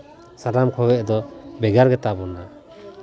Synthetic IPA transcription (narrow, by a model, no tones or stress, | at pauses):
saɾamkʰɔɡɛʔd̪ɔbɛɡaɾɡɛt̪abɔna